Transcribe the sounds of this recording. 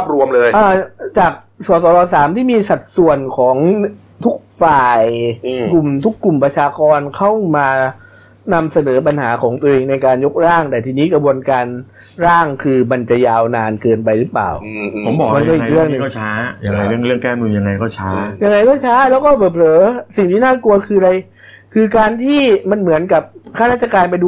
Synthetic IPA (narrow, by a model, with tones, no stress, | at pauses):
p̚ɾu˧əmlɤː˧jʔaː˧˩t͡ɕaː˨˩k̚ | sɔː˩˦s̬ɔː˩˦lɔː˧saː˩˦mt̪ʰiː˥˩miː˧sa˨˩t̪̚su˨˩ənkʰɔː˩˦ŋ | t̪ʰu˦˥k̚faː˨˩jku˨˩mt̪ʰu˦˥kːu˨˩mpɾa˧t͡ɕʰaː˧kɔː˧nkʰa˥˩wmaː˧ | na˧msa˧nɤː˩˦p̬a˧nhaː˩˦kʰɔː˩˦ŋt̪u˧ʔeː˧ŋna˧jkaː˧njo˦˥k̚ɾaː˥˩ŋd̪aː˨˩t̪ʰiː˧niː˦˥kɾa˧bu˧ənkaː˧n | ɾaː˥˩ŋkʰɯː˧ma˧nt͡ɕa˨˩ʔjaː˧wnaː˧nkɤː˧np̬a˧jɾɯ˦˥pla̰ː˨˩wʰo˩˦mbɔː˨˩ma˧nkɔː˥˩˨i˨kɾɯ˥˩əŋ˧kɔː˥˩t͡ɕʰaː˦˥ja˧ŋŋa˧jɾɯ˥˩əŋɾɯ˥˩əŋkɛː˥˩nu˧ja˧ŋːa˧jkɔː˥˩t͡ɕʰaː˦˥ja˧ŋa˧jkɔː˥˩t͡ɕʰaː˦˥lɛː˦˥wkɔː˥˩bɤː˨˩p̚ɾɤː˨˦si˨˩ŋt̪ʰiː˥˩naː˥˩ku˧ɐkʰɯː˧ɾa˧j | kʰɯː˧kaː˧nt̪ʰiː˥˩ma˧nmɯ˩˦ənka˨˩p̚kʰaː˥˩ɾaː˥˩t̪t͡ɕːa˧kaː˧np̬a˧jduː˧